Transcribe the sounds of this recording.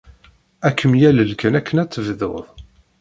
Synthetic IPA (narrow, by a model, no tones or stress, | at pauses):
ækʰːəmjæləlkænækʰːənæt͡sːəvðo̰ðˤ